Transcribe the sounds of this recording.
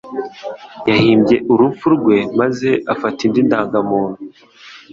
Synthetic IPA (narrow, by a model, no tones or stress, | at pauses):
jahiːmbje̞ʔuɾufuɾɡwe̞maze̞ʔafatindindaːŋɡamuːnhu